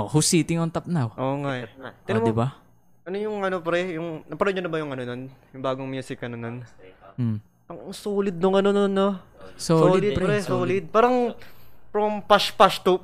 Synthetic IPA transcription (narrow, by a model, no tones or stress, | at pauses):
ʔohʊsiːt̪ɪŋont̪ɐp̚nawʔoːŋaʔt̪ɪnmd̪ɪba | ʔɐnojʊŋɐnopɐɾɛjʊŋnɐpɐɾoɲʊnɐbɐjʊŋɐnononjʊŋbaːɡoŋmjuːsɪkɐnononː | ɐŋsoːlɪd̪̚nʊŋɐnononːososːlːɪlɪd̪̚pɾɛsoːlɪd̪̚paːɾɐŋpɾompaʃpaʃt̪u